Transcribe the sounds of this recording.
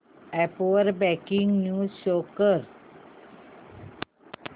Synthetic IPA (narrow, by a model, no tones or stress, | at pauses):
ɛpoəɾbɛkiŋɡnjuːzɕokəɾ